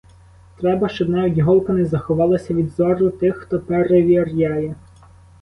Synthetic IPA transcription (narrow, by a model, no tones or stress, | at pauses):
t̪ɾɛbɐʃt͡ʃɔd̪nɛʊdʲɦɔlˠkɐnɪzɐxɔʋɑlˠɐsʲɐʋʲid̪zɔɾʊt̪ɪxxt̪ɔpeɾeʋʲirʲjɑjɛ